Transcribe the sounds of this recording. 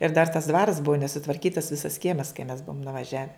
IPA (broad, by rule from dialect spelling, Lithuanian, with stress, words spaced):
ɪr dɐr tɐs dʋɐrɐs bʊʋoː nʲɛsʊtʋɐrʲkʲiːtɐs ˈʋʲɪsɐs ˈkʲiɛmɐs kɐɪ mʲɛs ˈbʊʋoːm nʊʋɐˈʒʲæːʋʲɛ